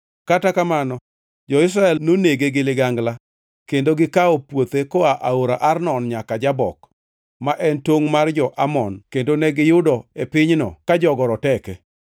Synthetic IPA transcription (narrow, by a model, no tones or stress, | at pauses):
katakamanɔ | d͡ʒɔɪs̬ɾaɛlnoneɡeɡɪlɪɡaŋɡla | kendoɡɪkaɔpwot̪ekɔaʔaoɾaʔarnɔnɲakad͡ʒabɔk | maʔɛntoŋmard͡ʒɔʔamɔnkendonɛɡɪjʊdɔepɪɲnɔ̰kad͡ʒɔɡɔɾɔtɛkɛ